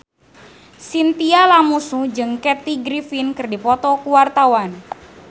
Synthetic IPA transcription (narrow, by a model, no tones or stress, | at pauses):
sint̪ialamusud͡ʒɨŋkɛt̪iɡɾifinkɨrdipɔt̪ɔkuwart̪awan